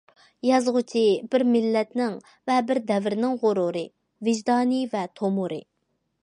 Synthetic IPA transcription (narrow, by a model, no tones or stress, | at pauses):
jɑzʁʊt͡ʃʰibɪɾmɪlːɛt̪nɪŋ | vɛbɪɾd̪ɛvɪɾɪnɪŋʁʊɾuɾɨ | vɪʒd̪ɑːnivɛt̪ʰomuɾɨ̰